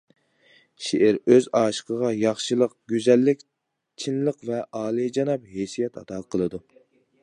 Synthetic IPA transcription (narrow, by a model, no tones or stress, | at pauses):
ʃeʔɪɾøzɑːʃə̥qʰəʁɑjɑχʃɨlˠəq̚ɡʲyzɛlːɪkʲ | t͡ʃʰinlˠəqvɛʔɑːlˠɨd͡ʒɑnɑp̚hesijɛt̪ʰɑt̪ɑqʰəlˠɨd̪u